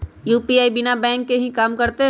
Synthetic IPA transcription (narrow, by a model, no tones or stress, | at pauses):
juːpiaːibɪnabɛ̃ːŋkːeɦĩkaːmkɐɾt̪e